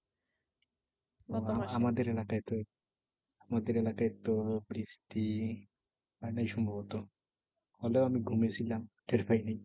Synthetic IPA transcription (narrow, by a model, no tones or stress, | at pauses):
aamad̪eɾelakajt̪ɔ | amad̪eɾelakajt̪ɔpɾisi̥t̪i | anajʃɔmbʱɔbɔt̪ɔ | hɔleamiɡʱumesʰilamɖeɾpajnaj